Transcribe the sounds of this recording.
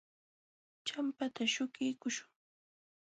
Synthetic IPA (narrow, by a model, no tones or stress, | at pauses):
t͡ʃampat̪aʃʊkɪjkʊʃʊŋ